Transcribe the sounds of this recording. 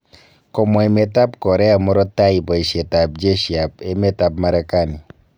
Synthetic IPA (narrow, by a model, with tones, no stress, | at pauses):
kɔ˨mɔ˨e˨me˨ta˦pkɔ˨ɾɛ˦a˨mɔ˦ɾɔ˦ta˦i˨bɔ˨e˨ʃe˨ta˨p̚d͡ʒe˦ʃja˨pe˦me˦ta˨p̚ma˦ɾɛ˦ka˦nɪ˨